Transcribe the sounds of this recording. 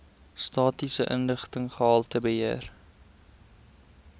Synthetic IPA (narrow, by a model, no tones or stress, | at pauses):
stɑːtisəʔənləχtəŋχəɦɑːlˠtəbəɦiər